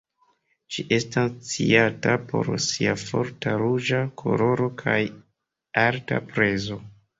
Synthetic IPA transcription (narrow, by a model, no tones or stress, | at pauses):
ʃiʔe̞stast͡siatapo̞̰ɾsiafo̞ɾtaɾud͡ʒakʰo̞̰lo̞ɾo̞kʰaj | aɾta̰pɾe̞zo̞